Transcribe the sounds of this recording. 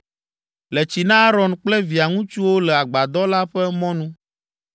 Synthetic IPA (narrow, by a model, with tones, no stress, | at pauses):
lɛ˨t͡ɕi˨nã˦a˦ɾɔ˨nk͡plɛ˦vi˨a˨ŋũ˦t͡ʃu˦wo˦lɛ˨a˨ɡ͡ba˨d̪ɔ˦la˦ɸɛ˦mɔ̃˦nũ˦